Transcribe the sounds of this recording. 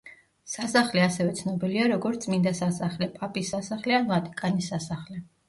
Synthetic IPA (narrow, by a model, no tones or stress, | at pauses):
sasaχlɛasɛvɛt̪sʰnɔbiliaɾɔɡɔɾt̪sʼmind̪asasaχlɛpʼapʼisːasaχlɛanvat̪ʼi̥kʼanisːasaχlɛ